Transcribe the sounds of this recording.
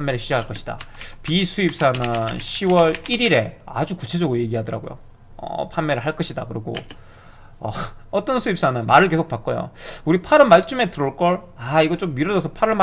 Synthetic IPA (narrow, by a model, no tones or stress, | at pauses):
pʰnmeɾɯɭɕʰid͡ʑakʰaɭk͈ʌɕʰid̥a̰pisʰuip̚s͈anɯnɕʰiwʌɾiɾiɾe̞a̰d͡ʑukut͡ɕʰe̞d͡ʑʌɡɯɾoje̞ɡiɦadʌɾaɡo̰jo̰ | ʌ̰pʰanme̞ɾɯɭɦaɭk͈ʌɕʰida̰kɯɾiɡo̰ | ʌ̰ʌt͈ʌnsʰuip̚s͈anɯnmaɾɯɭke̞sʰok̚pak͈ʌjo̰uɾipʰaɾɯɭmaɭt͡ɕ͈ume̞tɯɾʌɭk͈ʌɭaiɡʌt͡ɕ͈omːiɾʌd͡ʑʌsʰʌpʰaɾɯɭm